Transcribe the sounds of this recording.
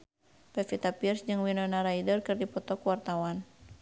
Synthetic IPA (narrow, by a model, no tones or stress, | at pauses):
pɛfit̪apirsd͡ʒɨŋwinɔnaɾaidɔrkɨrdipɔt̪ɔkuwart̪awan